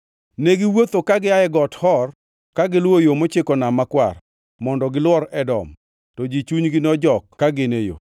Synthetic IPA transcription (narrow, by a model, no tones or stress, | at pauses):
neɡɪwot̪okaɡɪaɛɡɔthɔr | kaɡɪlwojomot͡ʃɪkɔnamakwar | mɔndɔɡɪlwɔɾɛdɔ̰m | tɔd͡ʒit͡ʃuɲɡɪnɔd͡ʒɔkːaɡɪnejo̰